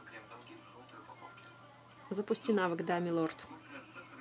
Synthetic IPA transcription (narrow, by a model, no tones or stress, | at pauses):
zəpʊsʲtʲinavɨkd̪amʲɪlˠort̪